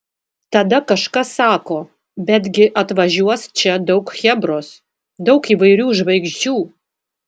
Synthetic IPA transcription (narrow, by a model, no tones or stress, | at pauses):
t̪ɐd̪ɐkɐʃkɐsɑːkoː | bʲɛd̪ʲɡʲɪʔɐt̪ʋɐʒʲuɔst͡ʃʲɛd̪ɐʊkxʲɛbɾoːs | d̪ɐʊkiːʋɐɪɾʲuːʒʋɐɪɡʒʲd͡ʒʲuː